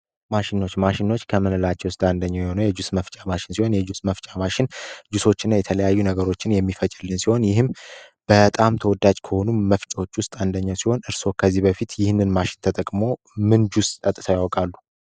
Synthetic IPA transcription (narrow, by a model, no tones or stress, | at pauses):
maʃɪno̞t͡ʃːmaʃɪno̞t͡ʃːkʰəmɨnɨlat͡ʃːɛwʊst̪ʼand̪əɲːawjɛho̞nəwjɛd͡ʒusməft͡ʃʼamaʃɪnsiho̞njɛd͡ʒusməft͡ʃʼamaʃɪnd͡ʒuso̞t͡ʃːɪnːajɛt̪ʰələjajːunəɡəɾo̞t͡ʃːɪnjɛmːifət͡ʃʼɪlːɨnsiho̞njɪɦɨmb̥ət̪ʼamt̪ʰəwɔd̪ad͡ʒkʰəho̞numəft͡ʃʼo̞t͡ʃːwʊst̪ʼand̪əɲːasiho̞nɨɾso̞kʰəzːibəfit̪jɪhnːɨnmaʃɪ̥nt̪ʰət̪ʼəkʼmo̞ | mɨnd͡ʒust̪ʼət̪ʼɨt̪ʰajawkʼalːu